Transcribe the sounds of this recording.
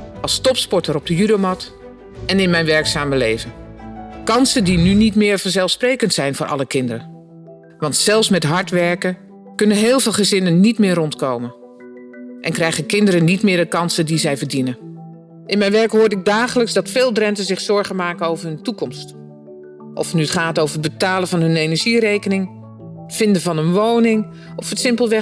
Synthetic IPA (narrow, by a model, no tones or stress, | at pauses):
ʔɑlˠstɔpspɔɹtəɾɔb̚dəjydowmɑt | ɛnɪnmɛjnʋɛɹksaːməlejvənkɑnsəndinynitmɪːɹvəɹzɛlˠfsprejkəntsɛjnvʊːʔɑ̰ləkɪndəɾə | ʋɑntsɛlˠfsmɛtɦɑɹtʋɛɹkən | kɵnənɦɪːlˠvɪːlˠχəzɪnənːitmɪːrɔntkowmən | ʔɛnkrɛjχənkɪndəɾənːitmɪːɹdəkɑnsədizɛjvəɹdinən | ʔɪnmɛjnʋɛɹkɦʊːɹdɪɡ̚daːχələksdɑtfɪːlˠdrɛntəzɪχsɔɹχənmaːkənowvəɹɦɵntukɔmst | ʔɔ̰fnyətχaːtowvəɹəd̚bətaːləvɑnɦɵnejnəɹʒirejkənɪŋ | ətfɪndəvɑnənʋownɪŋ | ʔɔfətsɪmpəlˠʋɛ